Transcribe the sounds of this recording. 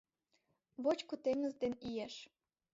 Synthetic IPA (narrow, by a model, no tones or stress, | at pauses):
βot͡ɕkot̪emnə̆zd̪enijeʃ